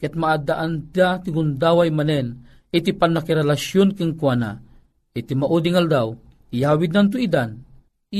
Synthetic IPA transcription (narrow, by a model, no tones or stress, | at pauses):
kɛt̪̚maʔad̪aʔand̪at̪iɡʊnd̪awajmanɛn | it̪ipanːakiɾɛlaʃjonkiŋkwana̰ | it̪imaʔud̪iŋald̪aw | ijawid̪nant̪̬ʊid̪an